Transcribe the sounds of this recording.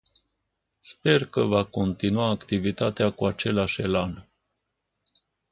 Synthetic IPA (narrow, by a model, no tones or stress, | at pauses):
spe̞rkəvako̞nt̪inuaːkt̪ivit̪at̪eakuat͡ʃe̞laʃelan